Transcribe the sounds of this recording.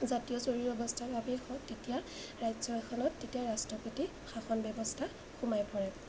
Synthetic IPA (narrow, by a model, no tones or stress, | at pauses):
zatijɔzoɹiɹɔbɔstʰaɹbʱabɛxʰɔtːetija | ɹajzɔkʰɔnɔtːetijaɹastɹɔpoti | xaxɔnbɔbɔstʰa | xumajpʰɔɹɛ